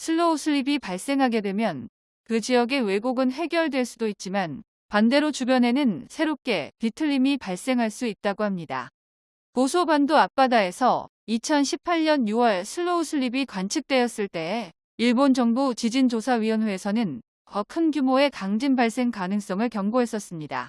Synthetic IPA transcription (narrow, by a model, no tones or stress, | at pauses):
sʰɯɭːousʰɯʎibipaɭs͈e̞ŋɦaɡe̞dwe̞mjʌn | kɯd͡ʑiʌɡe̞we̞ɡoɡɯnɸe̞ɡjʌɭdwe̞ɭs͈udoit̚t͡ɕ͈iman | pande̞ɾot͡ɕubjʌne̞nɯnsʰe̞ɾop̚k͈e̞pitʰɯɭːimipaɭs͈e̞ŋɦaɭs͈uit̚t͈aɡohamɲida̰ | kosʰobandoap̚p͈adae̞sʰʌ̰ | it͡ɕʰʌnɕʰipʰaʎɲʌnjuwʌɭsʰɯɭːousʰɯʎːibikwant͡ɕʰɯk̚t͈we̞jʌs͈ɯɭt͈e̞ː | iɭbond͡ʑʌŋbot͡ɕid͡ʑind͡ʑosʰaɥiʌnweːsʰʌnɯn | kʌkʰɯnɡjumoe̞kaŋd͡ʑinbaɭs͈e̞ŋkanɯŋs͈ʌŋɯɭkjʌŋɡoɦe̞s͈ʌs͈ɯmɲida̰